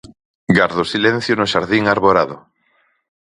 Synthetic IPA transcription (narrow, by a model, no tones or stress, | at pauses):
ɡaɾðosilɛ̃n̟θjonʊʃaɾðiŋaɾβoɾaðo